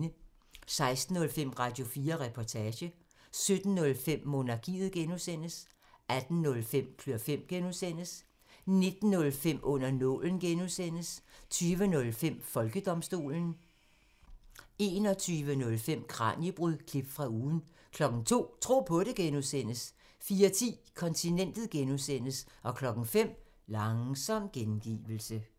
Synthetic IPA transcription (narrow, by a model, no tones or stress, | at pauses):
nə | sɑ̈ɪsd̥n̩ɔ̽lfem̰ʁɑ̈d̥jo̝fiːɐʁɛpʰɒt͡sʰɛːɕə | sød̥n̩nɔ̽lfem̰mo̝nɑ̈ɡ̥ḭːð̩ˠɡ̥enusen̰əs | æd̥n̩nɔ̽lfem̰kʰløɐfem̰ɡ̥enusen̰əs | ne̝d̥n̩ːɔ̽lfem̰ʔɔ̽n̰ɐnɔ̰̽ln̩ɡ̥enuðˠsen̰əst͡sʰyːʋənɔ̽lfem̰fɒ̽lɡ̥əd̥ɒ̽msd̥o̝̰ːln̩ | e̝ːnɒ̽t͡sʰyːʋənɔ̽lfem̰kʰʁɑ̰̈njəb̥ʁyðˠkʰlib̥fʁɑ̈uːn̩ | kʰlɒ̽ɡ̥ŋ̩t͡sʰo̝̰ːt͡sʰʁo̝̰ːpʰɔ̽ɾ̥e̝ɡ̥enusen̰əs | fiːɐt͡sʰḭːkʰɒ̽nt͡sʰinen̰d̥ð̩ˠɡ̥enusen̰əsɒ̽kʰlɒ̽ɡ̥ŋ̩fem̰ | lɑ̈ŋsɒ̽m̰ɡ̥enɡ̥ḭːʋl̩sə